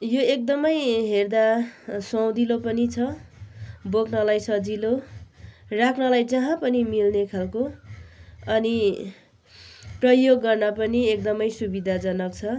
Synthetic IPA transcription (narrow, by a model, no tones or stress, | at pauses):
joek̚d̪ʌmʌjɦerd̪asʌwd̪ilopʌnit͡sʰʌ | bokʰnʌlajsʌd͡zilo | rakʰnʌlajd͡zʌɦãpʌnimilnekʰalko | ʌni | prʌjoɡːʌrnʌpʌniek̚d̪ʌmʌjsubid̪ʱad͡zʌnʌk̚t͡sʰʌ